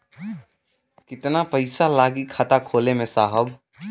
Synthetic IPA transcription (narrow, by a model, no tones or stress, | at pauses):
kɪt̪napəɪsalaːɡikʰat̪akʰoːlemẽsaːɦəb